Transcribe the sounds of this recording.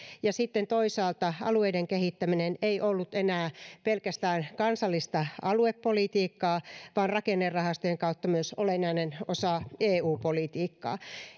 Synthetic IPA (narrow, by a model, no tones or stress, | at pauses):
jɑsit̪ːent̪oisɑːlt̪ɑɑ̰lueideŋkehit̪ːæmineneijʔolːut̪enæːpelkæst̪æːnkɑnsɑlːist̪ɑɑluepːolit̪iːkːɑːʋɑːnrɑkenːerːɑhɑst̪ojeŋkɑut̪ːɑmyøsolenːɑinenosɑeːuːpolit̪iːkːɑ̰ː